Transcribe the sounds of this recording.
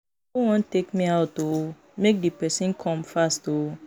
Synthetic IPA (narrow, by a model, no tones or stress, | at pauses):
ow̃ɔ̃n̩tekmĩato | mek̚dipɛsĩn̩kʰɔ̃mfasto